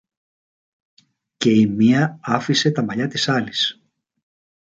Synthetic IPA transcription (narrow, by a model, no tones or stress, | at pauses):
ce̞imiɐɐfise̞t̪ɐmɐʎɐt̪isɐlis